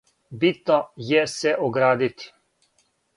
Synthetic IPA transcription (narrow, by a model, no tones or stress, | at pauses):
bit̪nɔjɛsɛʔɔɡɾaːd̪it̪